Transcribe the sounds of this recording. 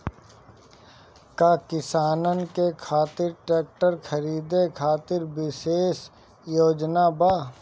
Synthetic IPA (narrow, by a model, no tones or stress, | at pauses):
kakɪsaːnənkekʰaːt̪ɪɾʈeːk̚ʈəɾkʰəɾiːd̪ekʰaːt̪ɪɾbɪʃeːs | joːd͡ʒnabaː